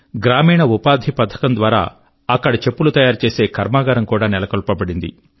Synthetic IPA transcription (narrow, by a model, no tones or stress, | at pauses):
ɡɾaːmiːɳɐupaːd̪ʱipɐd̪ʰʱːɐ̥kɐnd̪ʋaːɾa̰ː | ɐkːɐɽɐt͡ʃe̞pːulut̪ɐjaːɾt͡ʃe̞ːse̞ːkʰɐɾmaːɡɐɾɐmkuːɽaːnɛlɐkɐlpɐbɐɽind̪ḭ